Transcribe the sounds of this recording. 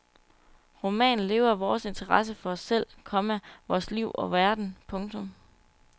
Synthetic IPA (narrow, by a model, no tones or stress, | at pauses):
ʁo̝mɛ̰ːn̩le̝ːʊɐʋɒːse̝nt͡sʰɐʁɑ̈s̬əfɒ̽ɒ̽sːel̰kʰɒ̽mæʋɒːsliʊ̰ʔɒ̽ʋæɐd̥n̩pʰɔ̽ŋt͡sʰɔ̽m